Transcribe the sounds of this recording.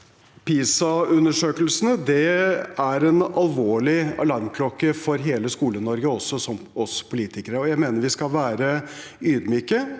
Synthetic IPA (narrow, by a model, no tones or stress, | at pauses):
piːsɑʉnːəʂøːkəlsənəd̪ɛæɾɛnɑlʋoːɭɪɑlɑɾmkʰlɔkːəfɔɾɦeːləskuːlənɔɾɡəɔsːɔsɔmɔspʰʊliːt̪ɪkəɾəɔjæɪmeːnəɾʋɪskɑlʋæːɾə | yːd̪myːkə